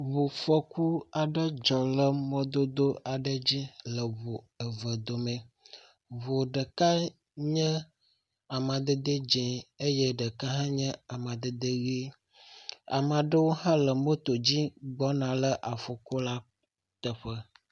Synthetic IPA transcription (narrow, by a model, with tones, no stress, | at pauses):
βo˨fɔ˦ku˦a˨ɖə˦d͡ʒɔ˨lə˦mɔ̃˦d̪o˦d̪o˦a˨ɖə˦d͡ʑi˦lə˨βo˨ | ə˨və˨d̪o˨mẽ˨ | βo˨ɖə˨ka˦ | ɲə̃˦ | a˨mã˨d̪ə˦d̪ə˦d͡ʒɛ̃˨e˦jə˦ɖə˨ka˦ɦã˦ɲə̃˦a˨mã˨d̪ə˦d̪ə˦ɣi˦ | a̰˨m˨a˨ɖə˦wo˦hã˦lə˨mo˦t̪o˨d͡ʑi˦ɡ͡bɔ˦nã˨lə˦ʔa˨fɔ˨ko˦la˦ | t̪ə˨ɸə˦